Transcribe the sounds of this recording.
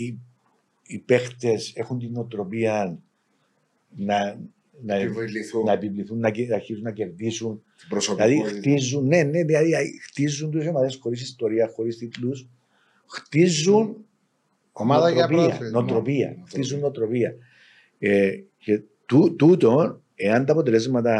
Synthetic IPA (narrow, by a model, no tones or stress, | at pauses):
i | ipext̪e̞sexunt̪inːot̪ɾo̞piɐn | nɐ | nɐlinɐepivliθunːɐɐɾçisunːɐce̞ɾðisun | bɾosilɐðixt̪izːunːeneðilɐðiɐxt̪izːunt̪usomɐt̪esxo̞ɾis̬ist̪oɾiɐsxo̞ɾist̪it̪lus | xt̪izːun | omaðɐɾopiɐ̰not̪ɾopiɐ̰xt̪izːunːot̪ɾo̞piɐ | ece | t̪ut̪ut̪o̞ | e̞ɐnt̪ɐpo̞t̪elezmɐt̪ɐ